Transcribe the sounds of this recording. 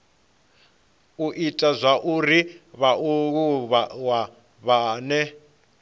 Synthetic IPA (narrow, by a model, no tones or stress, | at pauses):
uʔitʼazʷaʔuɾiβauɣuβawa | βaːnɛ